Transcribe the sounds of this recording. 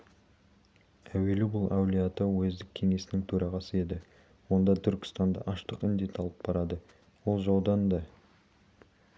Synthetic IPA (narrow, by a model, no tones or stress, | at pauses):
æwe̞lubʊlˠʔɑwlʲijɑt̪əwɵzd̪ɪkʲʰːe̞ŋe̞sɪnɪŋt̪ʰɵɾʔɑʁɑsəe̞d̪ɪ | wo̞nd̪ɑt̪ʰʏɾkʲɪ̥st̪ɑnd̪ɑ̰ʔɑʃt̪əqɪnd̪e̞t̪ʰɑlˠəp̚bɑɾɑd̪ə | wo̞lˠʒɑwd̪ɑnd̪ɑ